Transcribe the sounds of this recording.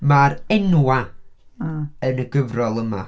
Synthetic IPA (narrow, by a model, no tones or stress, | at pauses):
maɾɛnwa | ənəɡəvrɔlˠəma̰